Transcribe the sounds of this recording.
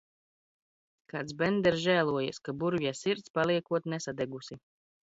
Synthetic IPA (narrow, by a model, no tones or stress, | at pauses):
kaːt̪sbɛnd̪ɛɾzʒæːlˠuɔja̰skabuɾvʲjasiɾt̪spaliɛkuɔt̪nɛsad̪ɛɡusi